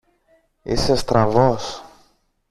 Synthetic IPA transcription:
ḭsest̪ɾɐvos

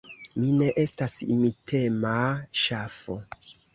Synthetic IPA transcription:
mine̞ʔe̞stasḭmitʰe̞maʃafo

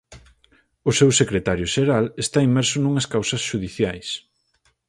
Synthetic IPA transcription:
ʊsewsekɾet̪aɾjʊʃeɾalest̪aimɛɾsʊnuŋɐskawsɐsʃuðiθjajs

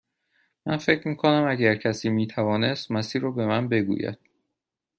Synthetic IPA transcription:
mæ̰nfe̞cʰɾmiːkʰonæmæɟæɾcʰæsiːmiːt̪ʰævɒːne̞st̪mæsiːɾɒːbe̞mænbe̞ɡṵjæ̰d̪̥̚

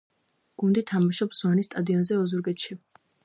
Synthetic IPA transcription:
ɡ̥und̪it̪ʰamaʃɔpsuwanist̪ʼad̪iɔnzɛɔzuɾɡɛt̪ʃi

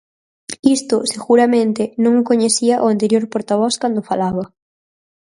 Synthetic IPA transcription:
ist̪ʊseɣuɾamẽnt̪ɪnõŋkoɲeθiɐʔoant̪eɾjoɾpoɾt̪aβ̞ɔskand̪ʊfalaβɐ

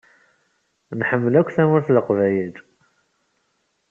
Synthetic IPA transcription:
nħəmːəlækʷːθæmʊɾθləqvæjəl

